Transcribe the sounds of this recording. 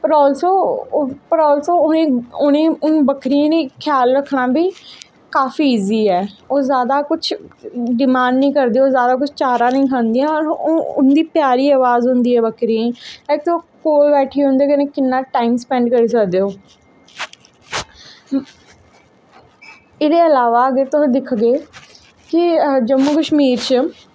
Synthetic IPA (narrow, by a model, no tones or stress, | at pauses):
pɾɔːlsoːpəɾɔːlsoːʊnẽːʊnẽːʊnbəkɾiãːniːkʰɪjaːlɾəkʰːnaːbiː | kaːfiːiːziːɛːoːzjaːd̪aːkʊt͡ʃʰɖɪmãːɳɖnĩːkəɾd̪eːoːzjaːd̪aːkʊt͡ʃʰt͡ʃaːɾãːnəĩːkʰãːnd̪iãːɔɾoːʊ̰nd̪iːpjaːɾiːaːʋaːzɦʊ̃nd̪iːɛːbəkɾiãːĩːlɛːk̚t̪õːkoːibɛːʈʰiːɦʊ̃nd̪iːkɪnẽːkɪnːãːʈaːimspɛ̃ːɳɖkəɾiːsəkd̪eːoː | ɪd̪eːəlaːʋaːəɡeɾt̪od̪ɪkʰɡeː | kɪd͡ʒəmːuːkəʃmiːɾt͡ʃə